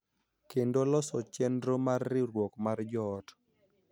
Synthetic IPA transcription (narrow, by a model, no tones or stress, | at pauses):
kendolɔsɔt͡ʃɛndɾomarːɪɾwɔkmard͡ʒɔːt